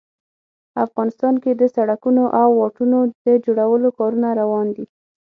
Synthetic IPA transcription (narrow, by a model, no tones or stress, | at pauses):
afɣɑnɪst̪ɑnked̪əsaɽakunoʔawːɑʈunod̪əd͡ʒoɽawəlokɑɾunaɾawɑnd̪i